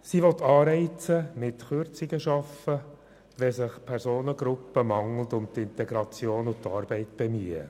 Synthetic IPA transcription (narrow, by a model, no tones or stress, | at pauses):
siʋɔt̪ːɑːɾɛɪt͡səmɪtχøɾt͡sɪɡəʃɑfə | ʋɛsɪχpʰæɾsoːnəɡɾʊpːəmɑŋl̩t̪ʊmt̪ɪnt̪ɛɡɾɑt͡sjoːnʊt̪ɑːɾb̥ɛɪt̪b̥ɛmyə̰